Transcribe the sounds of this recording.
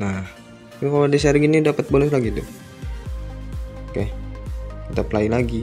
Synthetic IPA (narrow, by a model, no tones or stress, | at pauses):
nah | kankaloadisɛrɡinidapət̪̚balɛslaɡit̪ʊ | kahk̪ət̪aplailaɡi